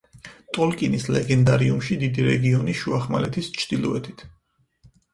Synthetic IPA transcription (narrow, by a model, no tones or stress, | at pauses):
t̪ʼɔlkʼinislɛɡɛnd̪aɾiumʃid̪id̪iɾɛ̰ɡiɔniʃuaχmalɛt̪ʰist͡ʃʰd̪̥ilˠɔɛt̪ʰit̪ʰ